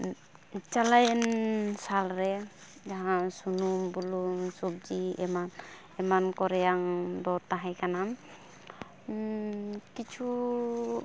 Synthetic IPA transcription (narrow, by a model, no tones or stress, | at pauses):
t͡ʃalajɛnnsalɾɛ | d͡ʒaɦãsunumbulumsub̚d͡ʒiɛman | ɛmankɔɾɛjaŋdɔɾt̪aɦɛjkanam | kit͡ʃʰu